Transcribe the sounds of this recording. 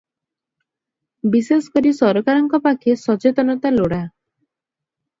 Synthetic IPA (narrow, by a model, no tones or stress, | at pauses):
bisesɔ̥kɔɾisɔɾɔkaɾɔŋkɔpakʰesɔt͡ʃet̪ɔnɔt̪aloɽa